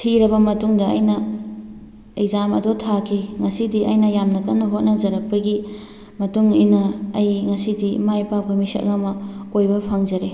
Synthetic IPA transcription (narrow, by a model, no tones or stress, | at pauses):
tʰiɾɐbɐmɐtuŋdɐɐ̰jnɐ | ejzamɐ̰dotʰakʰiŋɐsidiʔɐjnɐjamnɐkɐnːɐɦot̚nɐzɐɾɐk̚pɐɡi | mɐtuŋinɐːjŋɐsidimajpapʰɐmisɐ̰tlamɐojbɐpʰɐŋzɐɾe